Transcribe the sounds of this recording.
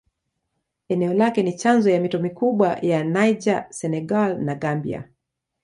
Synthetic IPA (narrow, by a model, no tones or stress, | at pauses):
ɛnɛɔlakɛnit͡ʃanzɔjamitɔmikuɓwajanajd͡ʒasɛnɛɡalnaɡambḭa̰